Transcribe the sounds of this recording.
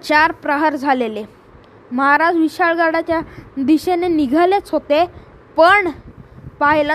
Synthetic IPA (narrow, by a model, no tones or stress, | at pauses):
t͡ɕaɾpɾəɦəɾd͡zʱalele | məɦaɾad͡zʋiɕaɭɡaɽat͡ɕjad̪iɕeneniɡʱalet͡sɦot̪e | pəɳpaɦila